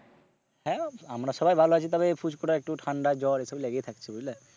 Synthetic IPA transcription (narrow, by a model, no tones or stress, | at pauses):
hɛ̃amɾaʃɔbajbʱaloat͡ʃʰit̪abepʰud͡ʑkɔɾaek̚ʈuʈʰaɳɖad͡ʑɔɾesableɡet̪ʰakt͡ɕʰiboɦile